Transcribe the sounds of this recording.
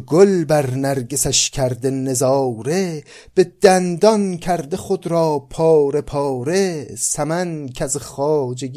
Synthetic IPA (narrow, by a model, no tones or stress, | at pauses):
ɡolbæɾnæɾɡesæʃkʲʰæɾd̪enezɒːɾe | b̥ed̪̥ænd̪ɒnkʰæɾd̪eχod̪ɾɒːpʰɒːɾepʰɒːɾesæmænkʲʰæzeχɒːd͡ʒeɡ